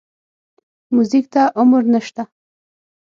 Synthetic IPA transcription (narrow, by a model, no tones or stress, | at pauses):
muzik̚t̪aʔʊmʊɾnəʃt̪a